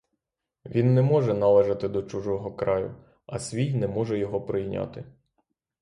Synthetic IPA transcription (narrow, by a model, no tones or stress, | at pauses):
ʋʲinːɛmɔʒɛnɐlˠɛʒɐt̪ɪd̪ɔt͡ʃuʒɔɦɔkɾɑjʊ̰ | ɐsʲʋʲijnɛmɔʒɛjɔɦɔpɾɪjnʲa̰t̪ɪ